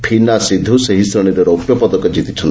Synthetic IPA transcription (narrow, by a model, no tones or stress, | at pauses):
pʰinasid̪ʱːuseɦist̪ɾɔɽ̃iɾeɾopjɔpɔd̪ɔkɔd͡ʒit̪it͡ʃʰɔn